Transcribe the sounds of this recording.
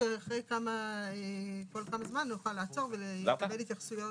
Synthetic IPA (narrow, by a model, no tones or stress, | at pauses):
eaχʁejkamaeko̞lkamazmanːjuχalaːt͡so̞ʁvelelekabelit̪jaχsujo